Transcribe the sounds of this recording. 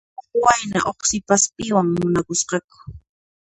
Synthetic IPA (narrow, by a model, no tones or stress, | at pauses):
oχwajna̰ʔoχsɪpaspɪwaŋmʊnakʊsqɑkʊ̥